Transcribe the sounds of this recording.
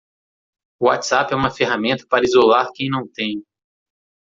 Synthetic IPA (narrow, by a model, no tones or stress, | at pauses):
ʊat̪sapɛũmɐfeɦamẽnt̪ɐ̥paɾɐizolaɾkẽj̃nɐ̃w̃t̪ẽj̃